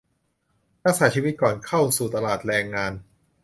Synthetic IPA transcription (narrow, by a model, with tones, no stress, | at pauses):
pa˧˥k̚saː˩˦t͡ɕʰiː˧wi˦t̪̚kɔː˨˩nkʰa˥˩wsuː˨˩t̪a˧laː˨˩t̪̚ɾɛː˧ŋːaː˧n